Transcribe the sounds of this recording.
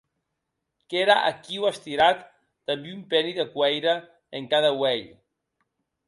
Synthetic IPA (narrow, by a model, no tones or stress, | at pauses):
keɾaʔa̰kiwast̪iɾat̪ː | ambiumpɛniðekwɛjɾə | eŋkaðəwɛʎ